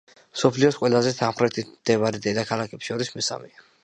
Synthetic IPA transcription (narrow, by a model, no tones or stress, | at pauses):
msɔpʰliɔsqʼwɛlˠazɛt̪ʰamχɾɛt̪ʰid̪̥ɛvaɾid̪ɛd̪akʰalˠakʰɛpʃɔɾismisa̰mɛa